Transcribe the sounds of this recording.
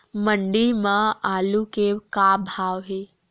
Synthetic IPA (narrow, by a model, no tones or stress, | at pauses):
mə̃ɳɖimãaːlukekaːbʱaːʋɦeː